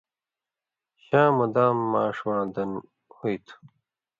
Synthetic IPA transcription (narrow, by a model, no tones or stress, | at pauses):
ɕãːmud̪aːmːaːʂwãːd̪ɐn | hujt̪ʰu̥